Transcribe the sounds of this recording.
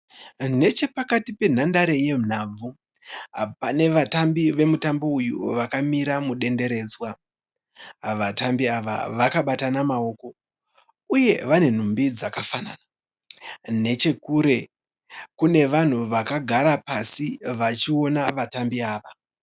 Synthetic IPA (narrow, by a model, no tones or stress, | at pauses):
ne̞t͡ʃe̞pakatipe̞n̤andaɾe̞je̞n̤ab͡vu | pane̞ʋatambiʋe̞mutambo̞ujṵʋakamiɾamuɗe̞nde̞ɾe̞ːd͡zwa | ʋatambiaʋa̰ʋakaɓatanamao̞ko̞ | uje̞ʋane̞n̤umbid͡zakafana̰na | ne̞t͡ʃe̞kuɾe̞ | kune̞ʋan̤uʋakaɡʱaɾapasiʋat͡ʃio̞naʋatambiaːʋa